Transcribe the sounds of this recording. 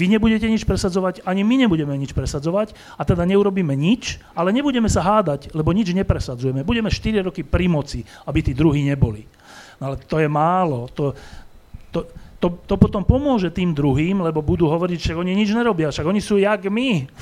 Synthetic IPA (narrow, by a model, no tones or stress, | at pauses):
ʋiɲɛbuɟɛcɛɲit͡ʃpɾɛsad͡zɔʋacaɲimiɲɛbuɟɛmɛɲit͡ʃpɾɛsad͡zɔʋac | at̪ɛd̪aɲɛuɾɔbiːmɛɲit͡ʃ | alɛɲɛbuɟɛmɛsaɦaːd̪aɟlɛbɔɲid͡ʒɲɛpɾɛsad͡zujɛmɛbuɟɛmɛʃt̪iɾiɾɔkipɾimɔt͡si | abit̪iːd̪ɾuɦiːɲɛbɔli | nɔalɛt̪ɔjɛmaːlɔt̪ɔ | t̪ɔt̪ɔt̪ɔpɔt̪ɔmpɔmʊɔʒɛt̪iːmd̪ɾuɦiːmlɛbɔbud̪uːɦɔʋɔɾicʃaɡɔɲiɲid͡ʒɲɛɾɔbɪafʃaɡɔɲisuːjaɡmi